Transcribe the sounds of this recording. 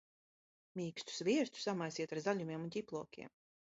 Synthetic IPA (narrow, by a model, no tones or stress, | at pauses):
mʲiːkst̪u̥svʲiɛɾt̪u̥samajsiɛt̪aɾzalʲumʲiɛmunt̪ʲiplˠɔkʲḭɛm